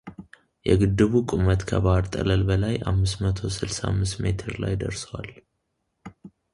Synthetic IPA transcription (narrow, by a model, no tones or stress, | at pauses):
jɛɡɨd̪ːɨβukʼumət̪kʰəβaɾt̪ʼə̰ləlbəlajʔa̰mːɨsmət̪ʰo̞sɨlsamːɨst̪me̞t̪ʰɨɾla̰jd̪əɾsəwal